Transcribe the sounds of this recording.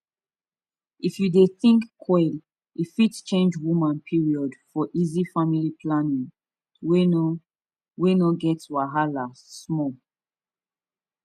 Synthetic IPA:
ifjudeθĩŋkːʰwɛl | ifitt͡ʃẽnd͡ʒwumãnpʰiɹiɔdfɔʔizifamilipʰlanĩŋ | wenɔɡɛtwaɦalasmɔ

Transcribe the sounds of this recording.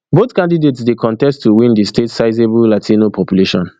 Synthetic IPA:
botkãndidetsdekʰɔ̃ntɛstʰːuwĩndistetsaɪzebullatʰinopʰɔpjuleʃɔ̰̃n

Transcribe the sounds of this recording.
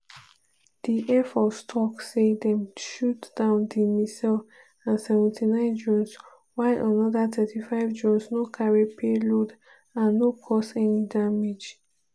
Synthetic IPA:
d̥iʔɛfɔtstʰɔksedɛ̃mʃutd̥ãʊ̃ndimisɛl | ãnsɛvɛ̃ntʰinãɪ̃nd͡ʒɔ̃ns | waɪʔɔ̃nɔdatʰɛtʰifaɪvd͡ʒɔ̃nsnokʰaɹipʰelod | ãnːokʰɔsɛnidamid͡ʒ

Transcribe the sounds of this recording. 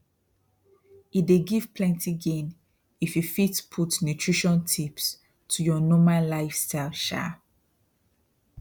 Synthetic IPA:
ideɡiv̥pʰlɛ̃ntʰiɡẽn | ififitpʰutnjutʰɹ̥iʃɔ̃ntʰips | tʰujɔnɔmãnlaɪfstaɪlʃa̰

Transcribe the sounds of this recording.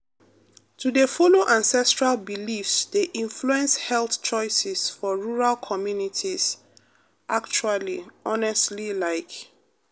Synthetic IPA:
tʰudəfoloʔãnsɛstɹalbilifsdeʔĩnfluɛ̃nshɛlθt͡ʃɔɪsɛsfɔɹuɹalkʰɔmjunitʰiz̥ | ʔakt͡ʃualiɔnɛstlilaɪk

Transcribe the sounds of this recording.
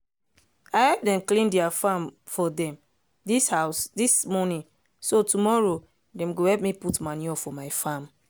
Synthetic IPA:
ahɛp̚dɛ̃mklĩndiafãm | fɔdɛ̃m | dishaʊsdismɔnĩn | sotumɔɹo | dɛ̃mɡohɛpmiputmaniɔfɔmaɪfãm

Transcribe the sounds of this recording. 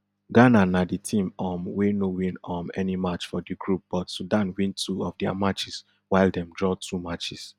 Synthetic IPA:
ɡananaditʰĩmɔmwenowĩnɔmɛ̰nimat͡ʃfɔdiɡɹup̚b̥ɔtsudãnwĩntʰuɔfdia̰mat͡ʃis | waɪldɛ̃mdɹɔtʰumat͡ʃis

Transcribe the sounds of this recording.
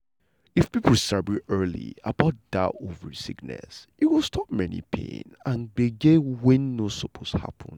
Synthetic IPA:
ifpipl̩ˠsabɹiʔɜlḭabaʊt̚da̰ʔovəɹsiknɛ̰sit̚wilˠstʰɔp̚mɛnḭpʰḛ̃nãnɡ͡beɡewɛ̃nːosɔpʰosha̰pʰə̃n

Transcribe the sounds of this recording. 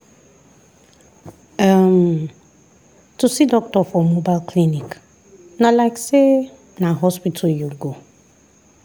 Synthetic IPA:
am | tusidɔk̚tɔfɔmobalkʰlinik | nalaɪkse | naɦɔspitʰaljuɡo

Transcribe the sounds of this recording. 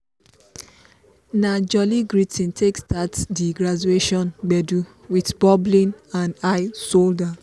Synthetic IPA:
nad͡ʒɔliɡɹitʰĩntʰekstatdiɡɹad͡ʒueʃɔ̃nɡ͡bɛdu | witbɔblĩnãnaɪsolda

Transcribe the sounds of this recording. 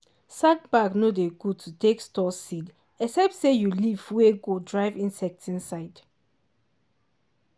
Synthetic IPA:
sak̚baɡnodeɡutʰutʰekstɔsid | ɛksɛp̚tsejulivweɡodɹaɪvĩnsɛk̚tʰĩnsaɪd

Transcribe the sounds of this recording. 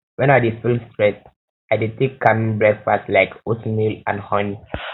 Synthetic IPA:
wɛ̃nadisfilstɹɛt̚ | aditivkamĩŋbɹɛkfaslaɪkosmilã̰nhɔ̃n

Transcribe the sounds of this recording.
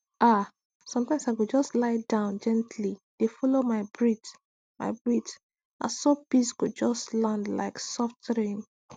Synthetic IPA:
ʔa | sɔ̃mtãɪ̃msaɪɡud͡ʒɔstlaɪdãʊ̃nd͡ʒɛ̃ntʰlid̥efɔlomaɪbɹit | ma̰ɪbɹit | a̰sopisɡud͡ʒɔstlãndla̰ɪksɔftɹĩn

